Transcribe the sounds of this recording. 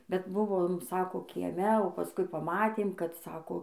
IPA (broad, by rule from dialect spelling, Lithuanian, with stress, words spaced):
bʲɛt ˈbʊʋoːm ˈsɑːkoː kʲiɛˈmʲɛ oː pɐˈskʊɪ pɐˈmɑːtʲeːm kɐt ˈsɑːkoː